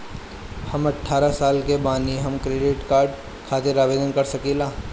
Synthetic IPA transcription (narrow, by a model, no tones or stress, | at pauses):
hɐmɐʈʰːaːɾasaːlkebaːniɦɐmkɾeːɖɪʈkaːɾɖ | kʰaːt̪ɪɾaːʋeːd̪ənkɐɾsɐkeːlaː